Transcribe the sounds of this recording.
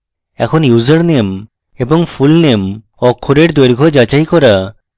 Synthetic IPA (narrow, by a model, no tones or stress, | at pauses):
ɛ̰kʰonjuzaɾnem | eboŋfulnem | ɔkʰːoɾeɾd̪eɾɡʱod͡ʑat͡ɕajkɔɾa